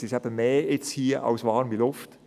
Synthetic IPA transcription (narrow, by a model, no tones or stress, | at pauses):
sɪʃæb̥əmeːɪt͡shiːʔɑ̰ʊsvɑːɾnbilʊft